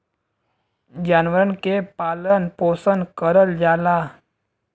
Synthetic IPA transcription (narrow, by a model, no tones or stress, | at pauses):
d͡ʑanʋəɾəɳkepalənposənkəɾəld͡ʑala